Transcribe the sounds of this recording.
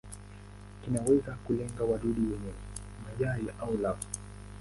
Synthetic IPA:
kinawɛzakulɛŋɡawaɗuɗiwɛɲɛ | maʄaɾiʔaulav

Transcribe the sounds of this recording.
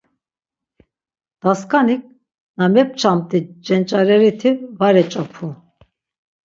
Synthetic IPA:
d̪̥askʼanik̚ | namɛp̚t͡ʃʰamt̪ʼid͡ʒɛnt͡ʃʼaɾɛɾit̪ʰivaɾɛt͡ʃʼapʰu

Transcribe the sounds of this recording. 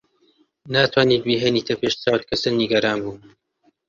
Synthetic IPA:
naːt̪ʰwaːniːt̪̚biːɦeniːt̪ʰɐpʰeːʃt͡saːwt̪̚kʰɐsɨnːiɡɐɾaːnbuː

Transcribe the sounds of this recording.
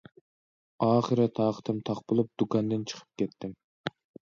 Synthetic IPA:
ɑːχəɾɛt̪ʰɑːqʰə̥t̪ʰɪmt̪ʰɑqbolˠup̚d̪̥ukɑnd̪ɪnt͡ʃʰə̥qʰə̥p̚kʲɛt̪ʰːɪm

